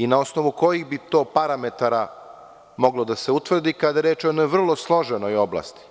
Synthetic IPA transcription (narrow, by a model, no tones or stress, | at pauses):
inao̞snoʋuko̞jiɣbit̪o̞ːpaɾamet̪aɾa | mo̞ɡlo̞d̪ase̞ut̪ʋr̩d̪ikad̪ajeɾeːt͡ʃoenojʋr̩lˠo̞slˠo̞ʒenojobla̰st̪i̥